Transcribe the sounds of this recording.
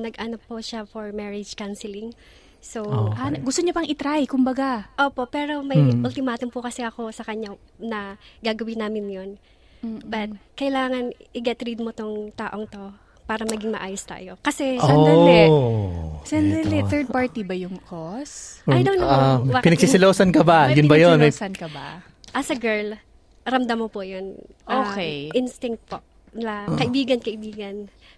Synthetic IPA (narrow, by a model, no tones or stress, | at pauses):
nɐɡʔɐnopʊʃafoɹmɛɹɪd͡ʒkansɪlɪŋ | sowaɡʊst̪oɲopɐŋɪt̪ɾajkʊmbɐɡaʔoːpo̞ʔpɛːɾo̞mɐʔʊlt̪ɪmaːt̪ompʊkɐsɛɐko̞sɐkɐɲanɐɡaːɡɐwɪnaːmɪnjon | bɐt̪̚kɐɪlaːŋɐnʔɪɡɛt̪ɾid̪̚mot̪oŋt̪aːʔo̞ŋt̪o̞ | paːɾɐmɐɡɪŋmɐʔaːjost̪a̰ːjo̞kɐsɛod̪ɛ | sɛnd̪ɪlɪθɛɹd̪̚paɹt̪ibɐjʊŋkʰosjd̪ow̪bapɪnɐɡsisɪloːsɐnkɐbajʊnbɐjonsɐnkɐbɐ | ʔɐsɐɡɛɹl | ɾɐmd̪ɐmːopojon | ʔokɛjʔɪnst̪ɪŋt̪̚poʔ | nɪlɐkɐʔɪbiːɡɐnkɐʔɪbiːɡɐn